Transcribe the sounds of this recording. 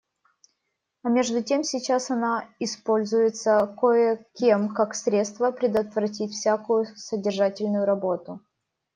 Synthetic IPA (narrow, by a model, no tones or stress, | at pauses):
ɐmʲe̞ʐd̪ʊtʲe̞msʲɪt͡ɕasɐnaɪspo̞lʲzʊjɪt̪səkojəkʲemkaksɾʲet̪st̪vəpɾʲɪd̪ət̪vɾɐtʲitʲfsʲakʊjʊsədʲɪrʐatʲɪlʲnʊjʊɾɐbo̞t̪ʊ